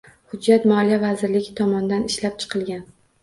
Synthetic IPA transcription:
hʊd͡ʒːat̪mɒlijavazɪɾlɪɡʲɪt̪ʰɒmɒnd̪anɪʃlap̚t͡ʃʰɨ̥qʰɨlˠɡʲan

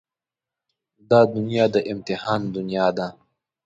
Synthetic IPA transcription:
d̪aːd̪ʊnjaːd̪əʔɪmt̪ɪhɑːnd̪ʊnijaːd̪a

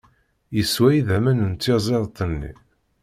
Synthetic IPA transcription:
jəswæjiðæmænənt̪ːizˤeðˤt̪ˤːənːḭ

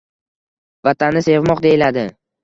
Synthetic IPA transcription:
vat̪ʰanːɪse̞vmɒqd̪e̞jɪlad̪ɪ

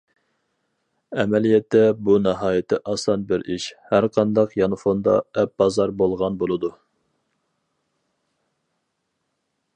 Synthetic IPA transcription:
ɛmɛlijɛt̪ːɛbuneɦɑːjɪt̪ʰɪʔɑsɑnbɪɾiʃhæɾqʰɑnd̪ɑqjɑnɨfond̪ɑ̰ɛp̚b̥ɑzɑɾbolˠʁɑnbolˠɨd̪u

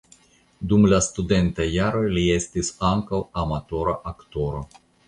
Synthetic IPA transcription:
d̪umlast̪ud̪e̞nt̪ajːaɾo̞jlie̞st̪isaŋkawamat̪o̞ɾaʔakt̪o̞ɾo̞

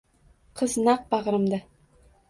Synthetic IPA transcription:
qʰɤznɑq̚bɑʁɾɤ̆md̪a

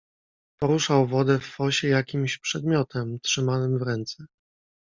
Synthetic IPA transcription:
pɔɾuʂawvɔd̪ɛfːɔɕɛjakʲimɕpʂɛd̪mʲjɔt̪ʰɛmtʂɘmanɘmvɾɛnt̪sɛ

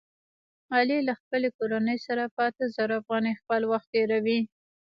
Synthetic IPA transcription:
ɑlilaxpəlekoɾanəjsaɾapəat̪əzaɾoafɣɑnijxpəlwaxt̪̚ːeɾawi

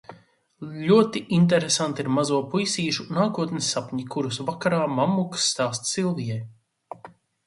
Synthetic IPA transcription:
ʎʲuɔt̪iʔint̪̬ɛɾesant̪iɾmazuɔpujsiːʃunaːkuɔt̪nisːapɲikuɾusvakaɾaːmamːuksːt̪aːst̪silˠvijɛj

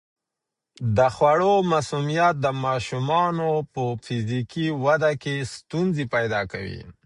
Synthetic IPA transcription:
d̪əxwaɽomasumijat̪̚d̪əmɑʃumɑnopəfɪzikiwad̪akest̪unzepajd̪ɑkawḭ

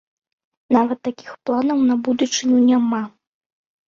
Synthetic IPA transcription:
navɐt̪ːakʲixplˠanɐwnɐbud̪ut͡ʂɨnʲunʲama

